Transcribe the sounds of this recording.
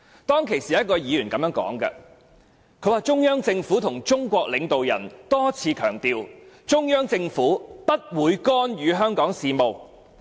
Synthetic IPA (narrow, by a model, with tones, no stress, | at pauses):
t̪ɔː˥ŋkʰe˨˩jsiː˨˩ɐ˦˥t̚kɔː˧jiː˨˧jyː˨˩nkɐ˨mjœː˧˥ŋkɔ̰ː˨˥ŋkɐ̰˧ | kʰɵ˨˧˥waː˨t͡ʃʊ˥ŋjœː˥ŋt͡sɪ˧ŋfuː˨˥t̪ʰʊ˨˩ŋt͡ʃʊ˥ŋkʷɔː˧k̚lɪ˨˧ŋt̪o˨wjɐ̰˨˩nt̪ɔː˥t͡sʰiː˨˧kʰœ̰ː˨˩ŋt̪iː˧wt͡ʃʊ˥ŋjœː˥ŋt͡sɪ˧ŋfuː˨˥pɐ˥t̚wuː˨˧jkɔː˥njyː˨˧ɦœː˥ŋkɔː˨˥ŋsiː˨˧mo˨w